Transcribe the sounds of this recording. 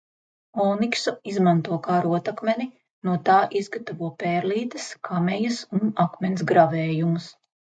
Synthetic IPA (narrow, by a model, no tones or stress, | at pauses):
ɔːniksuizmãnt̪uɔkaɾuɔt̪akmʲeni | nuɔt̪aːʔizɡat̪avuɔpɛːɾliːt̪ɐskʰamʲɛjɐsunakmʲɛnsɡɾavɛːjumus